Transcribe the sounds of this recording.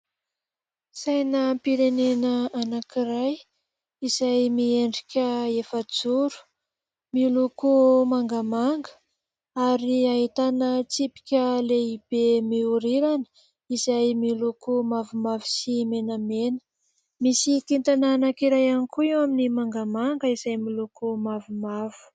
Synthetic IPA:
sajnəpiɾenenəanakiraj | izajmieɳɖ͡ʐikʲəefəd͡zuɾu̥ | milukumaŋɡamaŋɡə̥ | aɾiaɦit̪anət͡sipi̥kʲəleib̥emiuɾiɾanə̥ | izajmilukumavumavi̥simenəmenə̥ | misikint̪ananakiɾajanikuewaminimaŋɡamaŋɡəizajmilukumavumavu̥

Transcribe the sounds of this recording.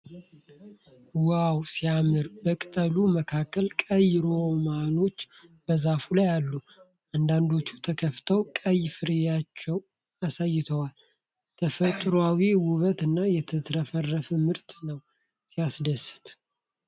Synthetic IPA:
wawsijamɨɾbəkʼɨt̪ʼəluməkʰakːəlkʼəjɾomano̞t͡ʃː | b̥əzafulajalːu | ʔand̪and̪o̞t͡ʃːut̪ʰəkʰəft̪ʰəwkʼəjfɨɾejat͡ʃːɛw | asajːɪt̪ʰəwal | t̪ʰəfət̪ʼɾwawiwʊβət̪ɨnːajɛt̪ʰɨt̪ʰɾəfərːəfɨmɨɾt̪nəw | sijasd̪əsɨ̥t̪

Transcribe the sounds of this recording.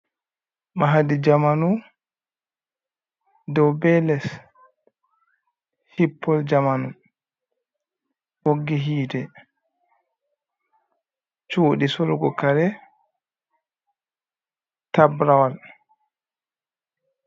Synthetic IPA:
maɦadid͡ʒamanu | dɔwbɛlɛs | hipʰːɔld͡ʒamanu | woɡːiɦiːdɛ | t͡ʃoːɗisɔlɡɔkaɾɛ | tabɾawal

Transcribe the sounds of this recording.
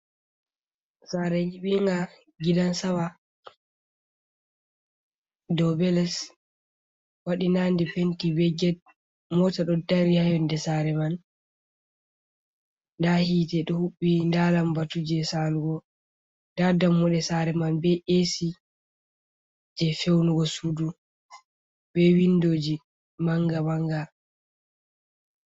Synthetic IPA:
saːɾɛjiɓiŋɡa | ɡidansawa | dɔbɛlɛs | waɗinandɛpentibɛɡɛ | mɔtaɗɔdaɾihajɔndɛsaɾɛman | ndahiːtɛɗɔhuɓːindaːlambatud͡ʒɛsaluɡɔ | dadamːɔɗɛsaɾɛmanbɛʔesi | d͡ʒɛfewnuɡɔsudu | bɛwindoːd͡ʒi | maŋɡamaŋɡa

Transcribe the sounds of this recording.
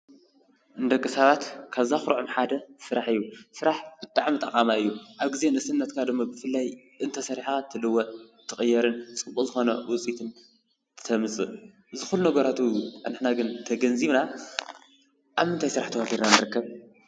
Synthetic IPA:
ʔɨnd̪ɐkʼːɨsaβat̪kʰaβzaxɾʕɨmħad̪ɐsɨɾaħɨjːusɨɾaħb̥ɨt̪ʼaʕmit̪ʼɐqʼamaɨjːuʔaβɡizenɨsɨnːɐt̪kʰad̪ɨmːabɨfɨlːaj | ʔɨnt̪ʰɐsɐɾħaat̪ʰːɨlɨwɐt̪ʰːɨxʼɨjːɐɾɨnt͡sʼɨbʼuzɨxo̞nɐwʊt͡sʼit̪ʰɨn | t̪ʰɨ̥t̪ʰɐmɨsʼɨ | ʔɨzɨxulːunɐɡɐɾat̪ʰunɨħnaɡɨnt̪ʰɐɡɐnziβna | ʔaβmɨnt̪ʰajsɨɾaħt̪ʰɐwafiɾnanɨɾɨkːɐβ

